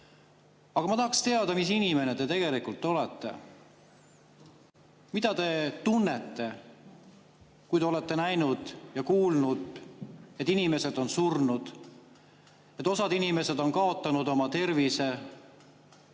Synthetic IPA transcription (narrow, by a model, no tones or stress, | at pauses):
ɑɡ̥ɑmɑt̪ɑhɑkst̪e̞ɑd̪̥ɑmis̬inime̞ne̞d̪e̞t̪e̞ɡ̥e̞likult̪ˑːo̞let̪ːe̞̰ | mid̪̥ɑt̪e̞t̪unːe̞t̪ːe̞ | kujd̪eole̞t̪ːe̞næjnud̪̥jɑkuːlnud̪et̪ːˑinime̞se̞d̪̥o̞nsurnud̪̥ | et̪ːˑo̞sɑd̪inime̞se̞d̪o̞nkɑo̞t̪ːˑɑnud̪o̞mɑt̪e̞rvise̞